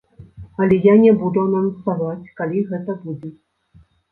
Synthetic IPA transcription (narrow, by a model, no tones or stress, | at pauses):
ɐlʲɛjanʲɛbud̪unansavat͡sʲkalʲiɣɛt̪ɐbud͡zʲɛ